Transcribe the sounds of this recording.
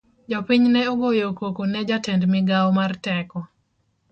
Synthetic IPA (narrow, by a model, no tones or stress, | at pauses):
d͡ʒɔpiɲnɛoɡojokokonɛd͡ʒatɛndmɪɡawɔmartɛkɔ